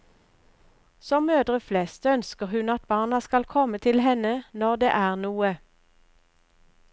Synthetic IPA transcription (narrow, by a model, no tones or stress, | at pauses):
sɔmøːd̪ʁəflɛst̪œnskəʁhʉnɑt̪̚bɑːʁnɑskɑlkʰɔmət̪ʰɪlhɛnənɔʁd̪ḛːʔæːʁnuːə